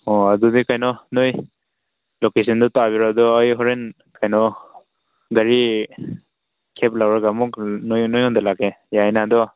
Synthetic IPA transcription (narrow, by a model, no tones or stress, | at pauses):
ɔadɔdikajnɔnoj | lokesindɔtabiɾadɔːjɦɔɾen | kʰajnɔ | ɡaɾi | kʰep̚lawɾaɡamɔknojnojɔndalakejajnadɔ